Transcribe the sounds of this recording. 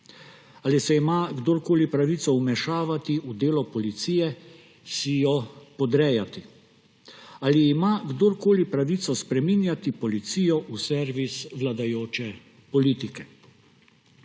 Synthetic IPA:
alisɛimaɡd̪oːɾkoːlipɾaʋit̪sɔumɛʃaːʋat̪iʔud̪eːlɔpɔlit̪siːjɛ | sijɔpɔd̪ɾɛjat̪i | aliːmaɡd̪oɾkoːlipɾaʋit̪sɔspɾɛminjat̪ipɔlit̪siːjɔʔusɛɾʋisʋlad̪ajoːt͡ʃɛ | pɔliːt̪ikɛ

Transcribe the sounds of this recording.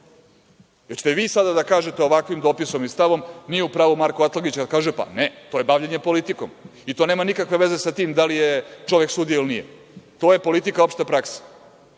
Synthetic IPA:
jet͡ɕe̥t̪eʋiːsad̪ad̪akaːʒet̪eo̞ʋakʋimd̪opiso̞mist̪aʋo̞mnijeupɾaːʋumaɾkoat̪laɡit͡ɕkad̪kaːʒepa̰net̪ojebaʋʎeɲe̞po̞lit̪iko̞̰mit̪o̞ːne̞ːmanikakʋe̞ʋe̞ze̞sat̪iːmd̪alijet͡ʃo̞ʋjeksud̪ioilnḭjḛ | t̪o̞ːje̞po̞lit̪ikao̞pʃt̪epɾaksḁ

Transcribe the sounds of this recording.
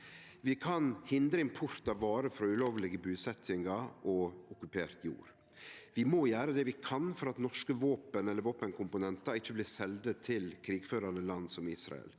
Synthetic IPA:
ʋɪkʰɑnhɪnd̪ɾəɪmpʰʊɾt̪ɑʋɑːɾəfɾɑʉloːʋlɪɡəbʉːsɛt̪ʰɪŋɑʔɔʊkʉpʰeːɾt̪ʰjṵːɾ | ʋɪmoːjæːɾəd̪ɛːʋɪkʰɑnfɔɾɑt̪nɔʂkəʋoːpənɛlːəɾʋoːpənkʰʊmpʊnɛnt̪ɑɪçːəblɪːsɛld̪ət̪ʰːɪlkʰɾiːɡføːɾɑnəlɑnːsɔmiːsɾɑ̰ə̰l

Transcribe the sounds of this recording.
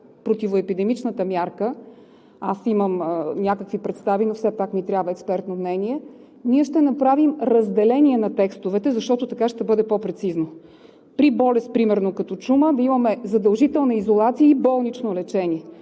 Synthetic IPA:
pɾot̪ivoɛpid̪ɛmit͡ʃnət̪əmʲjaɾkə | asiməmnʲakəkvipɾɛt̪st̪avinofsɛpakmit̪ɾʲjabvəɛkspɛɾt̪nomnɛniɛ | niɛʃt̪ɛnɐpɾavimɾɐzd̪ɛlɛnʲiɛnɐt̪ɛkst̪ovɛt̪ɛzɐʃt̪ɔt̪ot̪ɐkaʃt̪ɛbɤd̪ɛpɔpɾɛt̪sizno | pɾibɔlɛst̪̚pɾimɛɾnokɐt̪ɔt͡ʃuməd̪ɐimɐmɛzɐd̪ɐlˠʒit̪ɛlˠnəizolˠat̪sijəibɔlˠnit͡ʃnolɛt͡ʃɛniɛ

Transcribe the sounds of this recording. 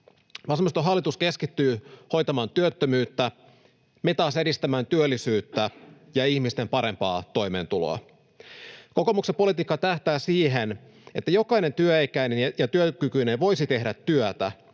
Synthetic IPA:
ʋɑsmist̪oɦɑlːit̪uske̞skit̪ːyːho̞jt̪ɑmɑːnt̪yøt̪ːømyːt̪ːæ | met̪ɑːse̞dist̪æmæːnt̪yølːisyːt̪ːæ | jɑiçmist̪e̞mpɑɾe̞mpɑ̰ːt̪o̞jmeːnt̪ulo̰ɑ̰ | ko̞ko̞muksepo̞lit̪iːkːɑt̪æht̪æːsiːɦen | e̞t̪ːæjo̞kɑine̞nt̪yøekæine̞njɑt̪yøkykyneʋo̞jsit̪e̞ɦdæt̪ːyøt̪æ̰

